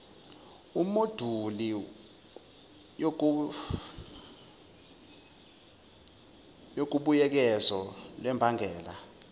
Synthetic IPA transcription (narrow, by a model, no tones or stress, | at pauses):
umod̥ʱuli | jok̬uɓujɛk̬ɛzɔlwɛmbʱaŋʱɛːla